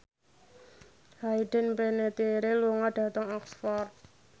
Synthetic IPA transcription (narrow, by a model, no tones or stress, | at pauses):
hajɖ̥ə̤npenet̪iɾeluŋaɖ̥a̤t̪əŋɔksfɔrt̪̚